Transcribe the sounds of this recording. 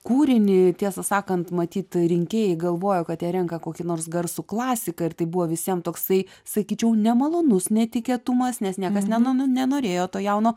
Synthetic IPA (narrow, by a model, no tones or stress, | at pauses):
kuːɾʲɪnʲɪt̪ʲiɛsɐsɑːkɐnt̪mɐt̪ʲiːt̪ɾʲɪŋʲkʲeːjɛɪɡɐlˠʋoːjokɐt̪jɛɾʲɛŋkɐkoːkʲɪnoːɾsɡɐrsuklˠɑːsʲɪkɐɪrt̪ɐɪbuʋoːʋʲɪsʲiɛmt̪oːksɐɪ | sɐkʲiːt͡ʃʲɛʊnʲɛmɐlˠoːnʊsnʲɛt̪ʲɪkʲeːt̪ʊmɐsnʲɛsnʲiɛkɐsnʲɛnnʲɛnoːɾʲeːjoːt̪oːjɛʊnoː